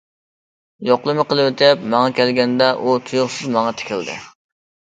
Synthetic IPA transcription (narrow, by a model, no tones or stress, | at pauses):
joqlˠɨmɨqəlˠɨwet̪ʰɛpmɑŋɑkʲɛlɡʲɛnd̪ɛʔut̪ʰujʊχsɨzmɑŋɑt̪ʰe̥kʲɪld̪ɪ̰